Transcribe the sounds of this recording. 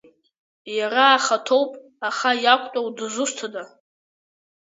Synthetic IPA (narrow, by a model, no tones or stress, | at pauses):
jaɾaːχatʰo̞wpʼ | aχajakʷʼtʷʼawdɨzʊstʰada